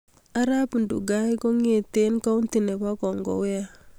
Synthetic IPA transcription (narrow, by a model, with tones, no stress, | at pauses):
a˦ɾa˦pu˨ndṵ˨ɡa˦jko˦ŋe˨te˦nka˦u˦nti˨ne˨pa˦kɔ˨ŋɡɔ̰˨wɪ˦a˦